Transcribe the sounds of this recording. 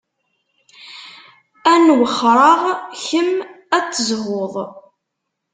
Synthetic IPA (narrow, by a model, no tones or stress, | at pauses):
ænwəχːɾˤɑʁçəm | æt͡sːəzwoðˤ